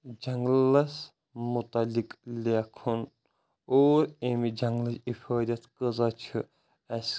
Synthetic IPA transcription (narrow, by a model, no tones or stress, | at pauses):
d͡ʒɐŋɡlɐs | mut̪ɐliklʲekʰun | oːɾemid͡ʒɐŋɡlɐsifʰɐːd̪ʲɐt̪ʰkɨzɐt͡ʃʰɨ | ɐs